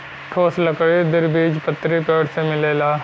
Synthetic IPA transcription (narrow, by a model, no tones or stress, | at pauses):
ʈʰoːsləkɽiːd̪ɪɾbiːd͡ʒpət̪ːɾiːpeːɽseːmɪleːlaː